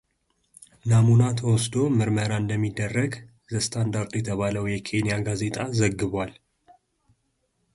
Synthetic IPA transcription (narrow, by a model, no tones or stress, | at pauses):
namunat̪ʰəwɔsd̪o̞mɨɾməɾaɨnd̪əmːid̪ːərːəɡ | zəst̪ʰand̪aɾt̪jɛt̪ʰəβaləwjɛkʰe̞nijaɡaze̞t̪ʼazəɡːɨβwal